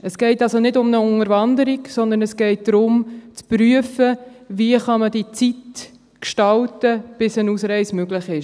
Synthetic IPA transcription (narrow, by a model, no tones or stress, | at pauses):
əsɡ̥ɛɪtɑlsonɪdʊmnəʊŋəɾvɑndəɾiksɔnd̪ənɛsɡ̥ɛɪt̚d̥ɾʊmt͡spɾyəfəviəχɑmədit͡sit | kʃtɑltəb̥ɪsənuːsɾɛɪsmøɡlɪχɪʃ